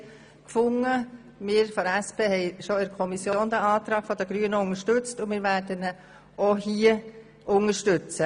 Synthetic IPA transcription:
kfʊŋə | mɪːɾfɔɾæspʰeːhɛɪʃoɪɾkʰɔmisjooːndɛɑːt̪ɾɑːɡ̥fɔd̥̪əɡ̥ɾyːənəʊŋəʃtʉt͡stʊmɪːɾʋæːɾdənə | ohiə | ʔʊŋəʃtʏt͡sə

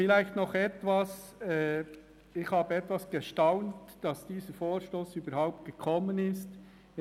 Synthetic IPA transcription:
fɪlæɪxtnɔχɛtvɑsɛː | ɪxhɑːb̥əɛtvʋɑsɡ̥əʃtaʊntd̥ɑsd̥iːsəɾfoːɾʃtoːsyːbəɾhaʊp̚t̚ɡ̥əkʰɔmːənɪst

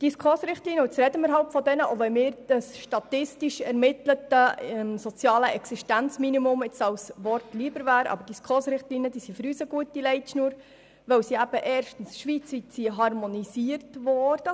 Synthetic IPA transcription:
d̥iskʰoːsɾɪχtliːnəʊt͡sɾɛdəməɾɦɑlpfɔd̪ɛnəʔoʋɛmɪːɾd̥əsʃtɑtɪstiʃɛɾmɪtlətəmsot͡sjɑːləʔɛksiʃtænt͡sminimʊmɪt͡sɑwsʋɔɾtliəbəɾvæːɾɑ̰bəɾd̥iskʰχoːsɾɪχtliːnəd̪iːsifɔɾyːsəɡ̥uətːilɛɪtʃnuːɾ | ʋœwsiæb̥əʔɛːɾʃtən̩sʃʋiːt͡sʋitsiɦɑɾmonisiəɾtvɔːɾd̥ə

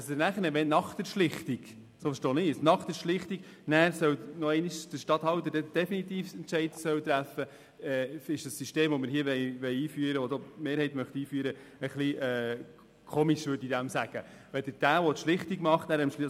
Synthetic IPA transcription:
əsənæːχənɛʋɛnnɑχd̥̪əɾʃlɪχt̪iɡ̥ | soːfəɾʃtoːnɪsnɑχt̪əɾʃlɪχt̪iɡ | næːɾsœwnɔɛɪniʃd̥əʃtɑt̪hɑwt̪ədɛd̥ɛfinit̪iːfsɛntt͡ʃɛɪdsœwt̪ɾæfə | ɛːɪʃd̥ɑsːyʃteːmʋɔmɪɾɦiːəʋɛjʋɛɪiːfyəɾəʋod̥̪oːmeːɾhɛɪtmœχt̪iːfyːɾə | əχliɛː | kʰɔmiʃʋøɾdid̥̪æmsæɡ̥ə | ʋɛd̥əd̥æːʋɔt̪ʃlɪχtiɡmɑχtnæːɾɛmʃ

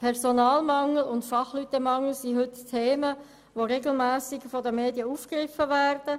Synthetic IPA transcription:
pʰɛʁsonɑːlmɑŋl̩ʊntfɑχlyt̪əmɑŋl̩ˠsiɦʏttʰeːmə | ʋoɾeɡl̩mæːsɪkfɔdəmeːdjəuːfkʁɪfəvæːrd̥ə

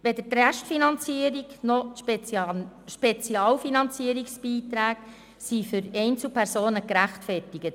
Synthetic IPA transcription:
ʋɛdəɾtræʃtfinɑnt͡siːəɾiknɔʃ | ʃpet͡siɑːlfinɑnt͡siːəɾiksb̥iːt̪ɾæːɡ | sifʏɾɛɪnt͡sl̩pʰɛɾsoːnəkɾæχtfɛrtɪɡət

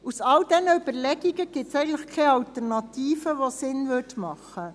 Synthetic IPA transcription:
usɑld̥ɛnəyb̥əɾlɛɡiɡəɡ̥ɪtsɛɪɡŋn̩tləχkʰɛɑlt̪əɾnɑt̪iːfəʋosɪnʋʏtmɑχːə

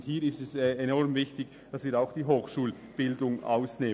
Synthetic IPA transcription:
thiːɾɪstɛsɛenɔɾmvɪçtɪç | d̥asviːɾaʊxd̥iːɦoːxʃuːl | b̥ɪldʊŋʔa̰ʊsneː

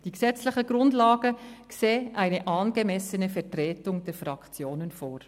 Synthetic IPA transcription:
d̥iksɛt͡slɪχəɡ̥ɾʊndlɑːɡ̥əkseːʔæɪnəʔɑːnɡ̥əmɛsənəfɛɾtʁɛːtʊŋd̥ɛfɾɑkt͡sjoːnənfoːɾ

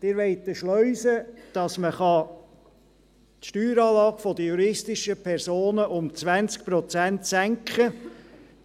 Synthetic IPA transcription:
d̥̪ɪɾʋɛɪt̪əʃlœʏsəd̥ɑsməχɑ | t̪ʃtyːɾɑːlɑːɡ̥fɔd̪əjuɾɪstɪʃəpʰɛrsoːnəʔʊmt͡sʋænt͡sk̚pɾɔt͡sænt̪sæŋkχə

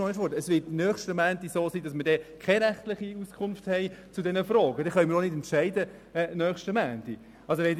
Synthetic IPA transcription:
ɔəfʋɔdəɛsʋɪtnœːχʃtəmæːndisoːsiːdɑsmədɛːkʰɛɾæχtlɪχiuskʰʊnfthɛɪt͡sudɛnəfɾɔːɡ̥ədɛχœməɾonɪdɛntʃæɪdə | ɛːnœːχʃtəmæːnd̥i | ɑlsoʋɛn

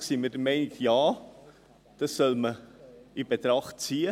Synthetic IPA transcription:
simɪd̥əɾmɛɪnɪkjaː | d̥ɑsːœlməib̥etɾɑχtt͡siːə

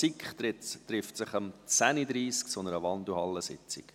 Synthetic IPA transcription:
ikχɪtrɪftsɪχəmt͡sænid̪ɾiːsksɔnəɾəʋɑnd̪uhɑlːəsɪ̰t͡sḭk

